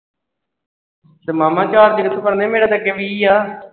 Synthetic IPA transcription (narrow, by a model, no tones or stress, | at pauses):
t̪eːmaːmãːt͡ʃaːɾd͡ʒɪɡət̪ʰuːpəɾnẽːmeːɽaːt̪əkːeʋiːiːaː